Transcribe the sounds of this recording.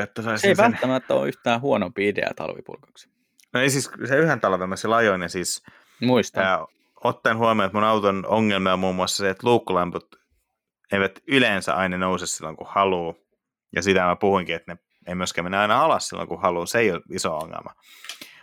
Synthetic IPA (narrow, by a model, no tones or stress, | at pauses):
jot̪ːɑsoiseiʋæt̪ːæmæt̪ːæo̰ːyht̪æːhuonompiidḛɑ̰t̪ɑ̰lʋḭpṵrkɑ̥ksi̥ | noeisisseyhent̪ɑlʋelmɑsilɑjonjɑsiːs | muist̪ɑː | ot̪ːɑnhuɑmiot̪munɑut̪onoŋːelmiɑmuːmːuɑsːɑseet̪luːkːulɑmput̪ | eiʋæt̪ylensæ̰ʔɑinɑnousessilːoŋkuhhɑluː | jɑ̰sit̪æmæpuhuiŋkiet̪ne | emyøskæminːæɑinɑɑlɑssilːo̰ŋkuhɑluːseioisoo̰ŋːḛlmʔɑ